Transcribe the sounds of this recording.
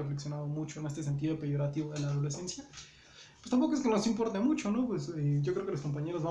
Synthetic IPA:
afleksjo̞naðo̞mut͡ʃo̞ene̞st̪e̞s̬e̞nt̪̬iðopeʝo̞ɾat̪iβoðe̞laːðo̞lese̞nsja | pwest̪ampo̞koeskenosimpo̞ɾt̪emut͡ʃo̞no̞pweseɟ͡ʝokɾeokelosko̞mpaɲe̞ɾo̞zβa

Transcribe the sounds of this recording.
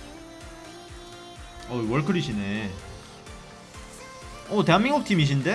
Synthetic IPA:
ʌwʌɭkʰɯɾiɕʰine̞ | ʌte̞ɦanmiŋɡok̚tʰimiɕ̬inde̞

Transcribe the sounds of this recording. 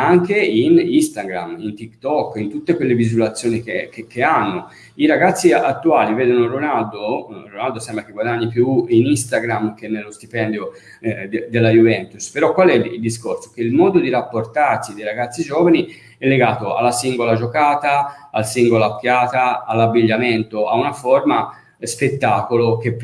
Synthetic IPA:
aŋkeinist̪aɡɾa̰mint̪ikt̪ɔkːint̪ut̪ːekwelːevizulat̪sːjoːnikekekeanːo | iɾaɡat̪sːiat̪ːuaːlivɛːd̪onoronald̪oronald̪osɛmbɾakeɡwad̪aɲːipjuinist̪aɡɾamk̟enːelːost̪ipɛnd̪jo | d̪elːajuvɛnt̪uspeɾɔkːwalɛild̪iskorsokeilmɔːd̪od̪iɾapːort̪arsid̪ejɾaɡat̪sːid͡ʒɔːvani | ɛlːeɡaːt̪oa̰lːasiŋɡolad͡ʒokaːt̪aalsiŋɡolaokːjaːt̪aːlːabːiʎːament̪oaunafoɾma | spet̪ːaːkolok̟e

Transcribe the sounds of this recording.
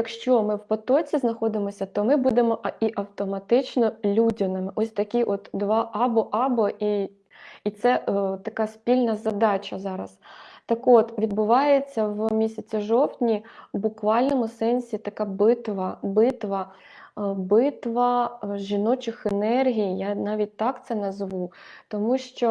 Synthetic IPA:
jɐkʃt͡ʃɔmɪwpɔt̪ɔt͡sʲiznɐxɔd̪ɪmɔsʲɐt̪ɔmɪbud̪emɔʔiʔɐwt̪ɔmɐt̪ɪt͡ʃnɔlʲudʲɪnɪmɪʔɔsʲt̪ɐkʲiʔɔt̪d̪ʋɑʔɑbɔʔɑbɔʔiː | t̪sɛt̪ɐkɑspʲilʲnɐzɐd̪ɑt͡ʃɐzɑɾɐ̰st̪ɐkɔt̪ʋʲid̪̚bʊʋɑjet͡sʲːɐʋmʲisʲɐt͡sʲiʒɔwt̪ʲnʲibʊkʋɑlʲnɔmʊsɛnʲsʲit̪ɐkɑbɪt̪ʋɐbɪt̪ʋɐ | bɪt̪ʋɐʒinɔt͡ʃɪxenɛrɦʲijjanɑʋʲit̚ʲt̪ɑkt̪sɛnɐzʋut̪ɔmuʃt͡ʃɔ

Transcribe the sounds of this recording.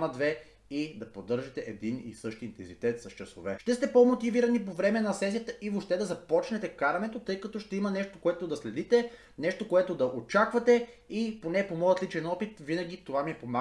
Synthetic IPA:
mɐd̪vɛ | id̪ɐpod̪ɤɾʒɐt̪ɛʔɛd̪inḭsɤʃt̪iint̪ɛnzit̪ɛt̪sɐst͡ʃɐso̰vɛʃt̪ɛst̪ɛpomot̪iviɾɐnipovɾɛmɛnɐsɛs̬ijət̪əʔivoʃt̪ɛd̪ɐzɐpɔt͡ʃnɛt̪ɛkaɾɐnɛt̪ot̪ɤjkɐt̪ɔʃt̪ɛimənɛʃt̪okoɛt̪od̪ɐslɛd̪it̪ɛ | nɛʃt̪okoɛt̪od̪ɐʔot͡ʃakvɐt̪ɛ | iponɛpomɔjət̪lit͡ʃɛnɔpit̪vinɐɡ̟it̪ovamiɛpoma

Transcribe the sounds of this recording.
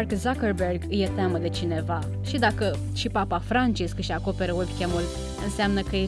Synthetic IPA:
rkzakərberɡɨjet̪eaməd̪e̞t͡ʃine̞va | ʃid̪akə | ʃipapafɾant͡ʃiskɨʃako̞pe̞ɾəwebʲkʲemul | ɨnseamnəkəje

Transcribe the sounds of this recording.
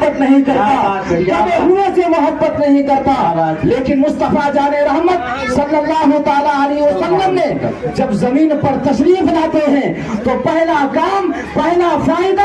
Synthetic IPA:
ət̪nəɦĩkəɾt̪aomeɦunesemʊɦəbːət̪nəɦĩkəɾt̪alekinmʊst̪əfʰad͡ʒaːneɾəɦmət̪̚ | səlːəlːaːɦut̪aːlaəleɦiosəlːəmːẽd͡ʒəbzəmiːnpəɾt̪əʃɾipʰlaːt̪eɦɛ̃ | t̪opəɦlakaːm | pəɦlapʰɾaĩd̪

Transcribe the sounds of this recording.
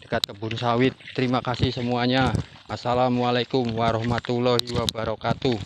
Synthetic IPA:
d̥ə̥kat̪̚kəbʊnsawɪt̪ːəɾimakasɪhsəmuaɲa | asalamwalakʊmwaɾɔhmat̪ulɔhiwabaɾɔkat̪u

